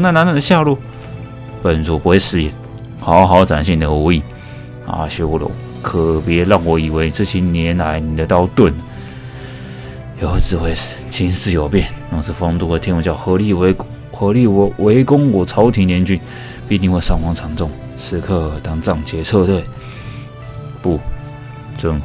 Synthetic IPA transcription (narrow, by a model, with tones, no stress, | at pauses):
na˥˧na˧˦nwə˥˩nd̪ə˧ɕja˥˧lu˥˩ | pə˨˩nt͡su˧˥pu˧˥xwe˥˩ɪʂɹ̩˧˥ɛ˧˩ | xɑ˧˥ʊxɑ˧˥ʊt͡sa˨˩nɕi˥˩nd̪ə˨u˧˥i˥˩ | a̰˥˧˩ɕɥɛ˧˥wɔ˧˩lo̰˧˥˦ | kʰɤ˨˩pjɛ˧˥lɑ˥˩ŋwɔ˧˥i˨˩we˧˥ɪt͡s̩˥˧˩ɕʰi˧˥nnjɛ˧˥na˧˥ɪni˨˩d̪ə˦t̪ɑ˥˧ʊt̪wə˥˩nə˨ | jo˧˥ʊt͡sɹ̩˨˩xwe˥˩ɪʂ̩˨˩t͡ɕʰi˥nsɹ̩˥˩jo˨˩ʊpjɛ˥˩nna˥˧˩ʂ̩˥˩fɑ˥˧t̪u˥˧d̪ə˩t̪ʰjɛ˥nwt͡ɕjɑ˥˩ʊxɤ˧˥li˥˩˧ | xɤ˧˥li˥˩˧we˧˥ɪkʊ˥ŋwɔ˨˩t͡sʰɑ˧˥ʊt̪ʰi˧˥ŋljɛ˧˥nt͡ɕy˥n | pt̪i˥˧ŋxwe˥˧ɪsɑ˥˩ŋwɑ˧˥ŋt͡sʰɑ˧˥ŋt͡sʊ˥˩ŋ | ʂʰɹɻ̩˧˥kʰɤ˥˧t̪ɑ˥ŋt͡sɑ˥˩ŋt͡ɕʰjɛ˧˥t͡sʰɤ˥˧t̪we˥˧˩ɪ | pu˥˧ | t͡sə˥ŋ